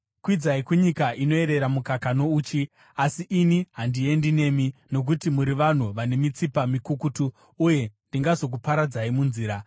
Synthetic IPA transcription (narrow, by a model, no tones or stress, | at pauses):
kwid͡zaikuɲikaʔino̞e̞ɾe̞ɾamukakano̞uːt͡ʃi | asiʔːniɦandie̞ndine̞mino̞k̬utimuɾiʋan̤uʋane̞mit͡sipamikukutuː | je̞ndiŋɡazo̞k̬upaɾad͡zaimunziːɾa